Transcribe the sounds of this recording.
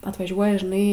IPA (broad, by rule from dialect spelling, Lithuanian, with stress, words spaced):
ɐtʋɐˈʒʲuɔjɛ ʒʲɪˈnɐɪ